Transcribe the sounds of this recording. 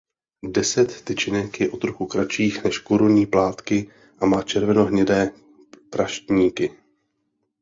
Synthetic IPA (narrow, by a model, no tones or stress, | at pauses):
dɛsɛt̪ːɪt͡ʃɪnɛkjɛʔot̪ɾuxukɾat͡ʃiːxnɛʃkoɾuɲiːplaːt̪kɪ | ʔamaːt͡ʃɛɾvɛno̞ɦɲɛdɛː | pɾaʃt̪ɲiːkɪ